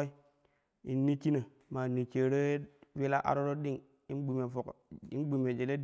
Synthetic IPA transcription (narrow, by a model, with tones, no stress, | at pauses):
i˦ | i˨nːi˦t͡ʃi˦na˨ | ma˨ni˨t͡ʃe˨ɾe˦we˦la˦ʔa̰˨ɾo˦ɾo˦di˦ŋ | i˦nɡ͡bu˨me˨fo˨ki˦nɡ͡bu˨me˨d͡ʒe˨le˦d